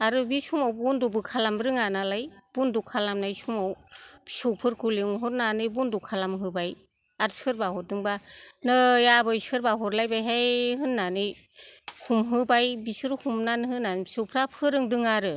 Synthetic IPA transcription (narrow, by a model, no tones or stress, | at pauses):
aɾɯbisumawbundubɯkʰalambɾɯŋanalajb̥undukʰalamnajsumawsɯwpʰɯɾkʰuliŋɦɔɾnanɯjbundukʰalamɦɯbaj | aɾsɯɾbahɔɾ̚dɯŋbanɯjabɯjsɯɾbaɦɔɾlajbajɦajɦɯnːanɯj | humɦɯbajbisɯɾhumnanɦɯnːansɯwpʰɾapʰɯɾɯŋdɯŋaɾɯ